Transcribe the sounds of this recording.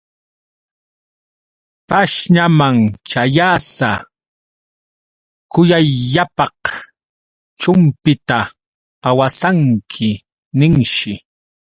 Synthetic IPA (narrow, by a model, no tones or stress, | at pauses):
paʃɲamaŋt͡ʃajasa | kʊjajːapɑq | t͡ʃʊmpɪt̪aː | wasaŋkʰɪ | nɪŋʃɪ